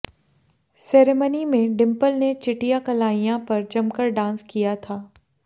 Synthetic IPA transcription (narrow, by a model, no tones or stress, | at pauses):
sɛːɾemənimẽɖɪ̃mpəlnet͡ʃɪʈijakɐlaːijãpɐɾd͡ʒɐmkəɾɖãːnskijat̪ʰaː